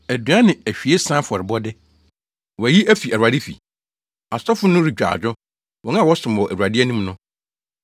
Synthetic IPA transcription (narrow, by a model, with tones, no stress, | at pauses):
æ˨dɥã˦nɪ̃˨æ˨ɕᶣi˨e˦sã˦fɔ˨ɾɪ˨bɔ˦dɪ˦ | wɔ˨æ˨ji˦ʔæ˦fi˨ʔæ˨ɾu˨a˨dɪ˦fḭ˨ | a˨sɔ˦fʊ˦nʊ̃˦ɾi˨d͡ʑᶣa̰˨d͡ʑᶣʊ˦ | wɔ̃˨˦n˦ã˦˨wɔ˦sʊ̃˨m˨wɔ˨ʔæ˨ɾu˨a˨dɪ˦æ˦nũ˦mnʊ̃˦